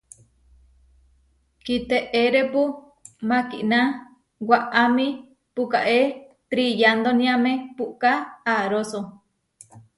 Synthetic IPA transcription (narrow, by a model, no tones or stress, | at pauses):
kit̪eʔeɾepu | mãkiʔna | waʔamĩ | pukaʔe | t̪ɾijand̪onĩãmẽpuʔkaaɾoso